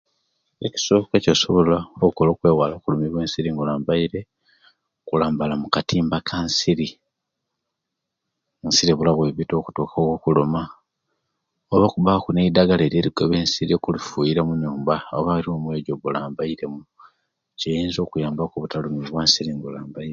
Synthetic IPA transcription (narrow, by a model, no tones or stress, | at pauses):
e̞ci̥so̞ːkecoso̞βo̞laokolo̞ːkwe̞ːwalakulumiβweːnsiɾiːŋɡulaːmbaiɾe̞ | okulaːmbalamukatʰiːmbakʰansiɾi | nsiɾiβulaβweβito̞ːku̥toːkaoɣokuloma | oβokuβakuneidaɡaleːɾje̞ɾiɡoβeːnsiɾiokulifujiɾemuɲuːmbaoβaɾiomwe̞ːɟoβulaːmbaiɾe̞mu | cejiːnzo̞ːkujaːmbakuβutalumiβwaːnsiɾiːŋɡulaːmbaie